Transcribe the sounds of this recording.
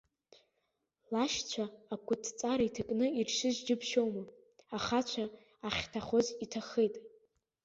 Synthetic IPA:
laʃt͡ɕʷʰaːkʷʼʊtʰt͡sʼaɾaitʰakʼnɨirʂɨʒd͡ʒɪpʰʃo̞wma | aχat͡ʃʷʰaː | χʲtʰaχozitʰaχejtʼ

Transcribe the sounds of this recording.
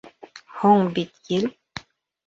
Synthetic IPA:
hɔŋbit̪̚ɡil

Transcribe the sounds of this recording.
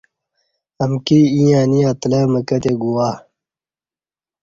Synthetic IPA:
ɐmkiĩjãːniãːt̪lemɐkɐt̪eɡuwaː

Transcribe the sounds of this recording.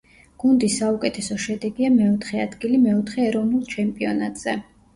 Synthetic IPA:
ɡ̥und̪isːaukʼɛt̪ʰɛsɔʃɛd̪ɛɡiamɛɔt̪ʰχɛad̪ɡilimɛɔt̪ʰχɛːɾɔvnulˠt͡ʃʰɛmpʼiɔnat̪ʼz̥ɛ

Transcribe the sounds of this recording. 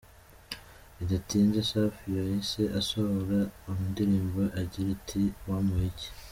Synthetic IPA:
iɟatiːnzesafijojiseʔasohoɾaumudiɾiːmboʔaɾɟiɾitʰiwamuhici̥

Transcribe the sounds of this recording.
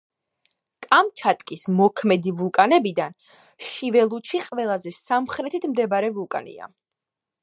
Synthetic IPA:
kʼamt͡ʃʰat̪ʼkʼismɔkʰmɛd̪ivulˠkʼanɛbid̪an | ʃivɛlˠut͡ʃʰiqʼvɛlˠazɛsamχɾɛt̪ʰit̪ʰmd̪ɛbaɾɛvulˠkʼa̰nḭa̰

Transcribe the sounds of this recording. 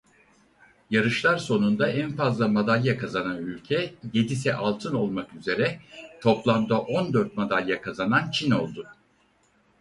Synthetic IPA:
jaɾɯʃlˠaɾso̞nund̪aænfazlˠamad̪alʲjakʰazananylʲcʰɛje̞d̪isɛʔalˠt̪ʰɯno̞lˠmakyze̞ɾɛt̪ʰo̞plˠamd̪aʔo̞nd̪øɾt̪̚mad̪alʲjakʰazanant͡ʃʰino̞lˠd̪ʊ

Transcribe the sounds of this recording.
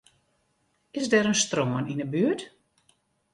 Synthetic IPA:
ɪsdɛɾənstroməninəbyət

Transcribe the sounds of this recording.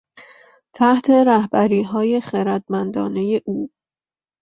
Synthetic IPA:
t̪ʰæht̪ʰe̞ɾæhbæɾiːɦɒːje̞χeɾæd̪mænd̪ɒ̰ːne̞je̞ʔuː

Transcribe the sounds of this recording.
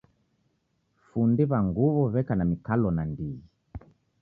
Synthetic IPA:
fundiβaŋɡuβɔβɛkanamikalɔnandiɣi

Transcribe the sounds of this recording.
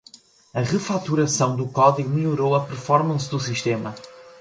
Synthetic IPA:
ɐʁɨfat̪uɾɐsɐ̃w̃d̪ukɔðiɣumiʎuɾowɐpɨɾfɔɾmɐ̃sd̪usiʃt̪emɐ

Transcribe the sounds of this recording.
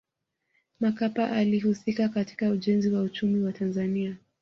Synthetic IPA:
makapaʔalihusikakati̥kauʄɛnziwaut͡ʃumiwatanzania

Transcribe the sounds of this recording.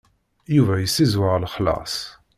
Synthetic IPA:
juvæjəsːizwaʁlχlɑ̰sˤ

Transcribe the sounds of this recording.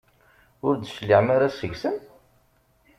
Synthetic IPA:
ʊɾd̪ʃlːiʕmaɾasəʝsən

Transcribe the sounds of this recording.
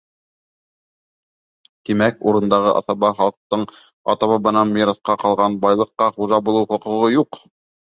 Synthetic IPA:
t̪imækuɾɤ̆nd̪ɑʁɤʔɑ̰θɑβɑχɑlˠq̚t̪ɤɴ | ɑ̰t̪ɑβɑbɤ̆nɑnmʲiɾɑsqɑqɑlˠʁɑnbɑjlˠɤ̆qːɑχuʒɑbulˠɤwχŏqɤ̆ʁɤjuq

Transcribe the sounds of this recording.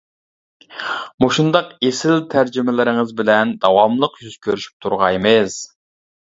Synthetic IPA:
moʃund̪ɑqesɪlt̪ʰæɾd͡ʒimɪlɪɾɪŋɨzbɪlɛnd̪ɑwɑmlˠəqjyz̥kʲʰøɾyʃy̥p̚t̪ʰuɾʁɑjmɨz̥

